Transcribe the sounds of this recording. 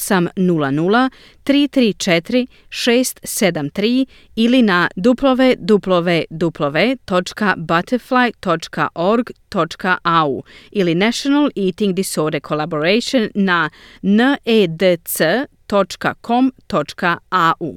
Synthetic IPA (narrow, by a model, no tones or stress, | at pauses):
samnulanulˠa | t̪ɾiːt̪ɾiːt͡ʃet̪ɾi | ʃeːst̪sed̪amt̪ɾiː | ilinad̪uplˠo̞ʋed̪uplˠoʋed̪uplˠoʋet̪o̞t͡ʃkabat̪ʰəɾflˠajt̪o̞t͡ʃka̰ʔo̞ɾɡt̪o̞t͡ʃkaʔaṵːilinaʃonalˠiːt̪iŋɡd̪isoːɾd̪əkʰo̞lˠabo̞ɾejʃonːanəed̪əsət̪o̞t͡ʃka̰kʰo̞mt̪o̞t͡ʃkaaʔṵː